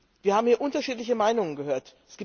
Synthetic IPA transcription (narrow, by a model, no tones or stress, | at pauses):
viːɐhaːbm̩hiːɐʔʊntɐʃiːtlɪçəmaɪnʊŋənɡəɦøːɐtɛsɡ̥iː